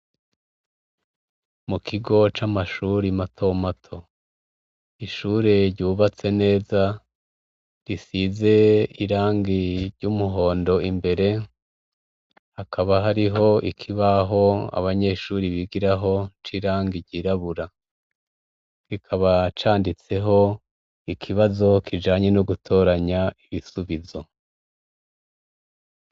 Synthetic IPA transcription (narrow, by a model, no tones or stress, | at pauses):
mukʰiɡo̞t͡ʃamaʃuɾimatʰo̞matʰo̞ | iʃuːɾe̞ɾɟuːβat͡se̞ne̞ːza | ɾisize̞iɾaːŋɡiɾɟ̥uːmuɦo̞ːndo̞imbe̞ɾe̞ | hakʰaβaɦaɾiɦo̞ikʰiβaɦo̞a̰βaɲe̞ʃuːɾiβiɡiɾaɦo̞t͡ʃiɾaːŋɡiɾɟiɾaβuɾa | kikʰaβat͡ʃaːndit͡se̞ɦo̞ | ikʰiβazo̞kʰid͡ʒaːɲe̞noɡutʰo̞ːɾaɲaiβisuβizo̞